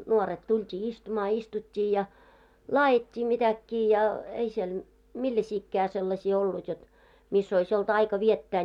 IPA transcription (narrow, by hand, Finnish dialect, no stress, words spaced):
nuoret tultʲiː istumɑː istutʲːiː jɑ lɑːjitʲːiː mitækːiː jɑ ei siel milːæsiːkːæː selːɑsiː olːut jot misː ois olt ɑikɑ ʋietːæː